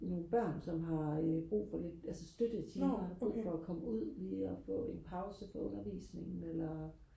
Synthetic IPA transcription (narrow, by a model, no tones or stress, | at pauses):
no̝ːn̩b̥ɶɐ̰nsɒ̽mɦɑ̈b̥ʁṵːfɒ̽le̝d̥ælsəsd̥ød̥ət͡sʰiɐhɑ̈b̥ʁṵːfɒ̽ɒkʰɒ̽məuð̞̰ˠliːɒfɔ̰̽ːe̝npʰɑ̈ʊsəfɒ̽ɔ̽nɐʋḭːsne̝ŋn̩elɐ